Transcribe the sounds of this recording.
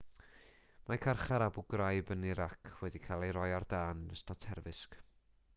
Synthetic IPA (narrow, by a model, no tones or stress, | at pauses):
makʰarχaɾabʊɡrajbəniɾakʰwɛdikʰalˠejɾɔjardaːnəstɔtʰɛrvɨsk